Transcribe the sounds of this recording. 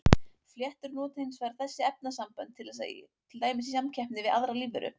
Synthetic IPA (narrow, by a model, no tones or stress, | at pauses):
fljɛht̪ʏɾnɔːt̪hɪnsvaɾθɛsːɪɛp̚nasampœnt̪ʰːɪlɛt̪ʰɪlt̪aːjmɪsisamcʰɛhpnɪvɪðaðɾaliːvʏɾʏ̰